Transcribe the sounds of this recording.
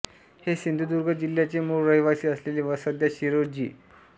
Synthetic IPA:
hesind̪ʱud̪uɾɡʱəd͡ʑiljat͡semuɾɾəɦjʋasiːəsleliːʋəsəd̪jaɕiɾod͡ʑḭː

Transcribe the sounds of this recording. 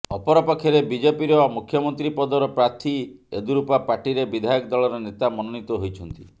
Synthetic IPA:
ɔpɔɾɔpɔkʰjɔɾebid͡ʒepiɾɔmukʰjɔmɔnt̪ɾipɔd̪ɔɾɔpɾaɾt̪ʰiḛd̪uɾupapaɾʈiɾebid̪ʱajɔkd̪ɔɭɔɾɔnet̪amɔnɔnit̪ɔɦojt͡ʃʰɔnt̪i

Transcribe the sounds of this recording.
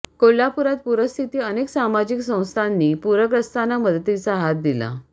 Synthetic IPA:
kolːapuɾat̪̚puɾəst̪ʰit̪iːəneksamad͡ʑiksə̃w̃st̪ʰanːiːpuɾəkɾəst̪anaməd̪ət̪it͡saɦat̪̚d̪ila̰

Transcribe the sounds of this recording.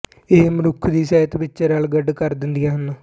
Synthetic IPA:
eːmɾʊkʰd̪iːsɛːt̪bɪt͡ʃːəɾaːlɡəɖkəɾd̪ɪnd̪ijaːɦənːoː

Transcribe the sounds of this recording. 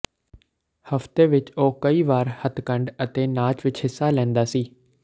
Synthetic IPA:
həft̪eːʋɪt͡ʃoːkəiːʋaːɾhət̪kəɳɖət̪eːnaːt͡ʃʋɪt͡ʃhɪsːaːlɛ̃ːnd̪aːsiː

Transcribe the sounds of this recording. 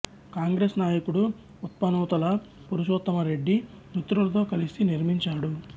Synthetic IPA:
kaːŋɡɾesnaːjɐkuɽu | ut̪̚pɐnuːt̪ɐlɐ | puɾuʃoːt̪ːɐmɐɾe̞ɖːinut̪ɾulɐt̪o̞ːkɐlisiniɾmiɲt͡ʃaːɽu

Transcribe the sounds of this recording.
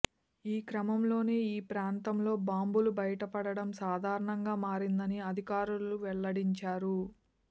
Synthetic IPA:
iːkɾɐmɐmlo̞ːneːiːpɾaːnt̪ɐmlo̞ːbaːmbulubɐjɐʈɐpɐɽɐɽɐmsaːd̪ʱaːɾɐɳɐŋɡaːmaːɾind̪ɐniɐd̪ʱikaːɾuluʋɛɭːɐɽiɲt͡ʃaːɾu

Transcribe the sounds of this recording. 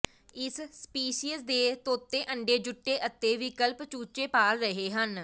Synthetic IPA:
ɪsspiːʃiːəsd̪eːt̪oːt̪ːeːʔəɳɖeːd͡ʒʊʈːeːʔət̪ːeːʋɪkəlpt͡ʃuːt͡ʃeːpaːlɾəɦeːɦən

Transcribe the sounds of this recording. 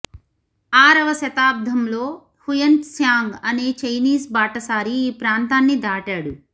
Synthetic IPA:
aːɾɐʋɐʃɐt̪aːb̚d̪ʱɐmlo̞ː | hujɐnʈsjaːŋɡɐneːt͡ʃɐjniːsbaːʈɐsaːɾiːpɾaːnt̪aːnːid̪aːʈaːɽu

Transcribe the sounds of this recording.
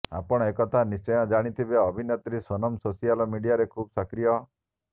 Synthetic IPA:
a̰pɔɽ̃ɔekɔt̪ʰanist͡ʃɔjɔ̃d͡ʒaɽ̃it̪ʰibeɔbʱinɔt̪ɾisɔnɔmsosialɔmiɖijaɾekʰuːbɔsakɾijɔ

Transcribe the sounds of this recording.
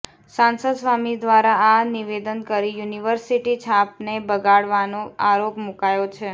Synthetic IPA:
sãnsəd̪sʋamid̪ʋaɾaːniʋed̪ənkəɾijuniʋəɾsiʈit͡ʃʰapnebəɡaɽʋanõaɾokmukajot͡ʃʰe

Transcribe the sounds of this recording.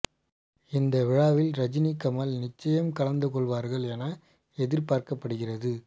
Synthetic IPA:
ɪnd̪ɐʋɪɻaːʋɪlɾɐd͡ʒɪnikːɐmɐlnɪt͡ʃːɐjɐmkɐɭɐnd̪ɯkɔɭʋaːɾɣɐɭɛnɐ | ɛðɪɾpaːɾkɐpːɐɽɯɣɪrɐðɯ

